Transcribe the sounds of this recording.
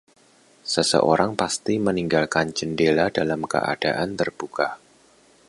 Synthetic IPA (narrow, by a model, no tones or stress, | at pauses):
səsə̰ʔoɾaŋpast̪iməniŋɡalkand͡ʒəndeladalamkə̰ʔa̰d̥aʔant̪ərb̥uka